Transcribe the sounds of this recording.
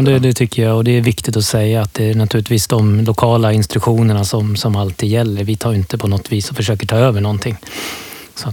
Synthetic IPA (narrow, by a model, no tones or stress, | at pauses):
d̪ɛd̪ɛt̪ʰʏkːəjaɔd̪ɛæɾvɪkt̪ɪt̪ɔsɛjːaːt̪̚d̪ɛæɳat̪ʰʉ̟ːlɪt̪viːsd̪ɔmlʊkʰɑːlaɪnst̪ɾɵkɧuːnəɳasɔmsɔmalt̪ʰːiːd̪jɛlːəɾvɪt̪ʰɑːjɪnt̪əpʰɔnɔt̪ːviːsɔfœʂøːkəʈʰɑːøːvəɳɔnt̪ʰɪŋː | sɔat̪